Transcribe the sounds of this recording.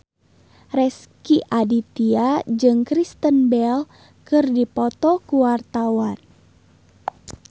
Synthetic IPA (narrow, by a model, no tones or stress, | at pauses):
rɛskiʔadit̪iad͡ʒɨŋkɾist̪ənbɛl | kɨrdipɔt̪ɔkuwart̪awan